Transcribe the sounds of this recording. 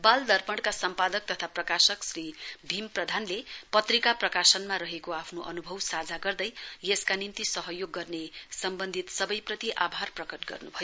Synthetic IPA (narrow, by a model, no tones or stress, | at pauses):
bald̪ʌrpʌɽkasʌmpad̪ʌk̚t̪ʌt̪ʰaprʌkasʌksribʱimprʌd̪ʱanlepʌt̪rikaprʌkasʌnmaɾʌɦekoapʰnoʔʌnubʱʌwsad͡zʱaɡʌrd̪ʌjjeskanint̪isʌɦʌjoɡːʌrnesʌmbʌnd̪ʱit̪sʌbʌjprʌt̪iʔabʱarprʌkʌʈɡʌ̰rnubʱʌjo